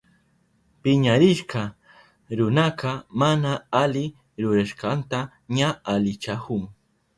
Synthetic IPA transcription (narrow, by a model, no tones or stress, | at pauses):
pɪɲaɾɪʃqɑ | ɾʊnɑqɑmanaalɪ | ɾʊɾaʃqɑnt̪a | ɲaalɪt͡ʃakʊŋ